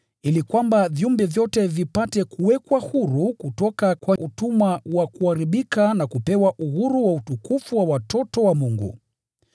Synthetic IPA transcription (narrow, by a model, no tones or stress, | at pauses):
ilikwambaviumbɛvjɔtɛvipatɛkuwɛkwahuɾukutɔkakwaʔutumawakuaɾiɓikanakupɛwaʔuhuɾuwautukufuwawatɔtɔwamuŋɡṵ